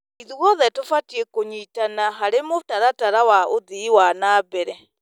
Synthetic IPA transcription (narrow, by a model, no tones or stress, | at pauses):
iðuɣɔðetufatiekuɲitanaɦaɾemutaɾataɾawaʔuðiwanabeɾe